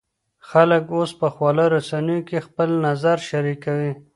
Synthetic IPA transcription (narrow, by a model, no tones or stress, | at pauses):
xaləkospəxwɑlaɾasanəjokexpəlnazaɾʃaɾikawi